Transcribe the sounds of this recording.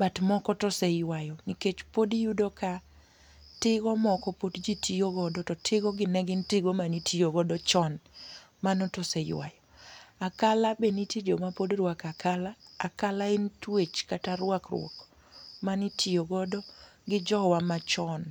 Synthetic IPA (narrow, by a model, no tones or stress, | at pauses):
batmɔkɔtɔsejwajɔniket͡ʃpodijudoka | tɪɡɔmɔkɔpodd͡ʒitijoɡɔdɔtɔtʰɪɡɔɡɪnɛɡɪntɪɡomanitʰijoɡɔdɔt͡ʃɔn | manɔtɔsejwa̰jɔakalabenitid͡ʒomapodɾwakakʰalaːkalaɪntwet͡ʃkataɾwakrwɔ̰k | manitʰijoɡɔdɔ | ɡɪd͡ʒɔwamat͡ʃɔn